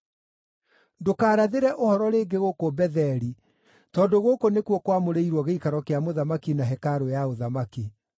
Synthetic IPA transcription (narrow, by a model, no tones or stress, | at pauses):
dokaːɾaðeɾɛʔohɔɾɔɾeːɡeɣokobɛðɛɾi | tɔdoɣokonekwɔkwamoɾeiɾwɔɣeikaɾɔkeamoðamakinaɦɛkaɾojaoðamaki